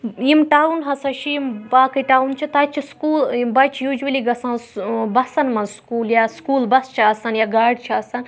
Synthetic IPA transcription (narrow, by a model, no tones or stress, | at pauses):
jimʈaːwunɦɐsɐʃʰijimbaːkɐʈaːwunt͡ʃʰit̪at͡ʃʰiskuːlbɐt͡ʃʰijud͡ʒuʋɐliɡɐsãːnsbɐsɐnmɐnzskuːljaːskuːlbɐst͡ʃʰiɐsɐnjaːɡaːɖt͡ʃʰiɐsɐn